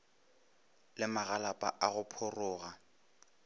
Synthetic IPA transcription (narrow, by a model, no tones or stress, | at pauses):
lɪmaɣalapʼa̰ʔaɣʊpʰʊrʊːɣa